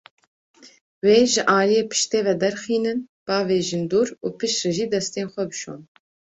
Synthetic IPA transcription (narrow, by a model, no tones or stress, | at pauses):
weːʒɨʔaːlijeːpʰɨ̥ʃt̪eːvɛd̪ɛɾxiːnɨnb̥ɑːveːʒɨnd̪uːɾuːpɨʃrɨʒiːd̪ɛst̪eːnxʷɛbɨʃo̰ːn